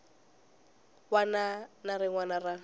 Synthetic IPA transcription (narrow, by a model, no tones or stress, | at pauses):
wananaɾɪŋwanara